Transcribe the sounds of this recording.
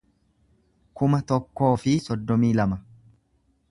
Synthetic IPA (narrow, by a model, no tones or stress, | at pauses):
kʊmɐt̪ɔkːo̞ːfɪsɔd̪ːɔmiːlɐmɐ